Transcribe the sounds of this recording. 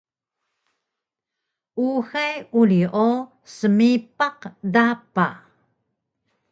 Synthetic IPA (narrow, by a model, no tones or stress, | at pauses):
ʔuxajuliʔo | səmipaqdapa